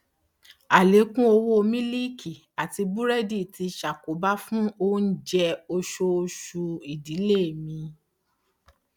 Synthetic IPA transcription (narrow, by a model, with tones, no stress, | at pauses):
a˨le˨˦kũ˦o˧wo˦o˧mĩ˦li˦kʰi˨ | a˨ti˧bu˦ɾɛ˦di˦˨ti˧ʃa˨ko˨˦ba˦fũ˦o˦n̩˦d͡ʒɛ˧o˧ʃo˧ʃu˧i˨di˨˦le˦˨mĩ˧